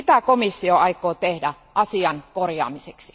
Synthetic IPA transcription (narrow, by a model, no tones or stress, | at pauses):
it̪ækomisːioɑikˑoːt̪ehdæ | ʔɑsiɑnkorjɑ̰ːmiseksi̥